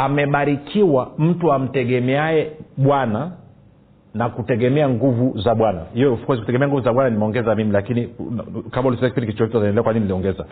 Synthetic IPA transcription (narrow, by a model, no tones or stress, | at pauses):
amɛɓaɾikʰiwam̩tuam̩tɛɡɛmɛaɛɓwana | nakutɛɡɛmɛaŋɡuvuzaɓwanahijɔfkwɛziku̥tɛɡɛmɛaŋɡuvuzaɓwananimɛɔŋɡɛzamimilakinikamaulisɛakipindikit͡ʃuɔhituazaɛndɛlɛakwaɲininiliɔŋɡɛza